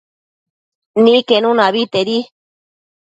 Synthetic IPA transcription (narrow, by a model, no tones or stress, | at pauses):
nĩkenũnãβit̪eɾi